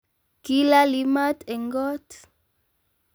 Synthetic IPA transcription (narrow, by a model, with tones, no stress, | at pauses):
ki˦la˦li˨˦ma˦tɛ˨ŋɡɔ˦t